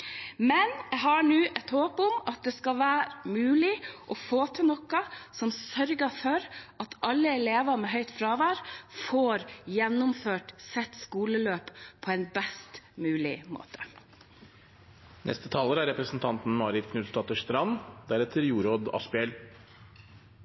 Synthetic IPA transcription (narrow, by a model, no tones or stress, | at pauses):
mɛnjæɦɑɳʉːʔɛt̪hoːpʊmʔɑt̪̚d̪ɛskɑʋæːɾmʉːlɪʔɔfoːt̪ʰɪnɔkːɑsɔmsœɾɡəfɔɾʔɑt̪ʰɑlːəɛleːʋɑɾmɛɦœʏt̪fɾɑːʋæːɾfoːɾjɛnːʊmføːʈsɛt̪ːskuːləløːppʰɔɛnbɛst̪mʉːlɪmo̰ːt̪ʰə̥ | nʔɛ̰st̪ət̪ʰɑːləɾæɾɛpɾəsn̩t̪ʰɑnt̪n̩mɑːɾɪt̪kʰnʉlst̪ɑt̪əʂt̪ɾɑnd̪æɾɛt̪ʰəɾjuːɾoːd̪ɑ̰spɪɛl